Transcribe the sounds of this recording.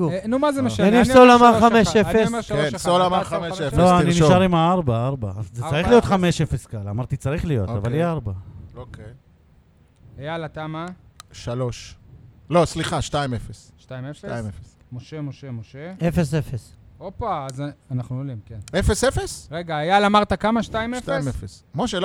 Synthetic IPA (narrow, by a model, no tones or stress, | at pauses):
unumazemeʃaninolamaχameʃefesmensolamaameefloaniniʃaʁimaaʁbaaʁbaazzet͡saʁiχlijo̞t̪χameʃefe̞skalamaʁt̪it͡saʁiχlijo̞̰t̪avalieaʁbaokej | ajalat̪amaʃaloʃlo̞sliχaʃtaimefesʃtaimeftajimefes | moʃe̞mo̞ʃe̞moʃeefesefesopaːzanaχnuolimkenefesefesʁeɡaːjalamaʁt̪akamaʃt̪aimefaimefesmoʃel